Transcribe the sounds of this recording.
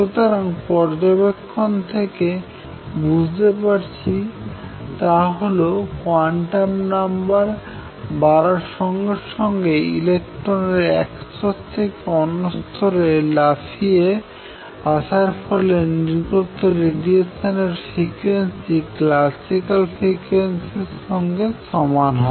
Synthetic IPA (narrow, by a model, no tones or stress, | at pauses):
ʃot̪aɾaŋpɔɾd͡ʑobekʰːont̪ʰeke | bud͡ʑʱt̪epaɾt͡ɕʰi | t̪aɦolokoaɳʈamnambaɾ | baɾaɾʃɔŋɡeɾʃɔŋɡeḭlek̚ʈɾoneɾɛksot̪ʰːekeɔnost̪ʰoɾelafʰie | aʃaɾfɔleniɾɡot̪ːoɾeɖieʃaneɾfɾikensiklasikalfɾikwensiɾʃɔŋɡeʃɔmanɦɔ